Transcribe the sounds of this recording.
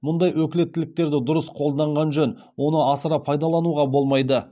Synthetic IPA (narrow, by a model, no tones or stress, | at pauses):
mʊnd̪ɑjwɵkʲɪle̞t̪ːɪlɪk̚t̪e̞ɾd̪ɪd̪ʊɾəsqʰo̞lˠd̪ɑɴʁɑnʒɵn | wo̞nəɑsəɾɑpʰɑjd̪ɑlˠɑnuʁɑbo̞lˠmɑjd̪ə